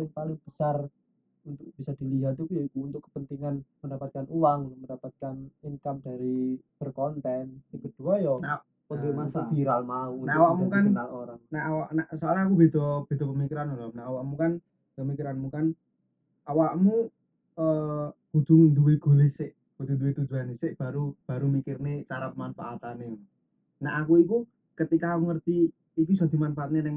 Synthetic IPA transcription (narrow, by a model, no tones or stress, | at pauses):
alɪŋpalɪŋb̥əsar | unt̪ʊk̚b̥isad̪̥i̤liɦat̪̚ukujɔikuunt̪ʊkːə̥pənt̪iŋanməndapat̪̚kanʔuwaŋunʊməndapat̪̚kaniŋkamdaɾib̥ərkɔnt̪ɛnsiɡ̥əd̥ṳajɔna | poɡemasafiɾalmaunaawakmukanɾaloɾaŋnaawaʔnasoalaakub̥e̤t̪ɔb̥e̤d̪̥ɔ̤pəmikiɾanolɔmnaʔːwaʔmukan | pəmikiɾanmukan | awaʔmu | əɡ̥ud̪̥ʊŋd̪uweɡ̥o̤lesɪʔ | ɡ̥ud̪und̪uwet̪u̥d͡ʒuanesɪʔb̥a̤ɾub̥a̤ɾumikɪrnet͡ʃaɾap̚manpa̰ʔat̪anɪ | naʔakuiku | kət̪ikaːkuŋərt̪iː | k̬usɔd̪̥i̤manfaat̪nenɪŋ